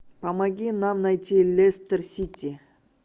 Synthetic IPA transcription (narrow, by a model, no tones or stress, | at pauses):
pɐmaɡʲinamnajt̪ʲilʲest̪ərsʲit̪ʲːi